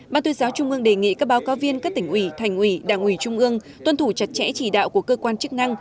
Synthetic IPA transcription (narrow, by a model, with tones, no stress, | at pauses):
ɓaː˧nt̪ʰu˧zaː˨˦wt͡ɕʊ˧ŋ͡mʔɨ˧əŋɗe˧˨˩ŋḭ˧˨kaː˦˥k̚ɓaː˨˦wkaː˨˦wvi˧ənkaː˦˥k̚t̪ï˨˩ŋ̟ʔwi˧˩t̪ʰa˨˩jŋ̟ʔwi˧˩ɗaː˧˩ŋʔwi˧˩t͡ɕʊ˧ŋ͡mʔɨ˧əŋ | t̪wə˧nt̪ʰu˧˩t͡ɕa˧˩t̚t͡ɕɛ̰˧˥t͡ɕi˧˩ɗa̰ː˧˨wku˧˩əkəː˧kwaː˧nt͡ɕɨ˦˥k̚na˧ŋ